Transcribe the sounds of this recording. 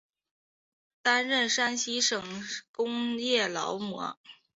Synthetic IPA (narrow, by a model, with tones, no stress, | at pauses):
t̪a˥nɻə˥˩nʂa˥nɕi˥ʂɤ˨˩ŋkʊ˥ŋjɛ˥˩lɑ̰˧˥ʊmwɔ̰˧˥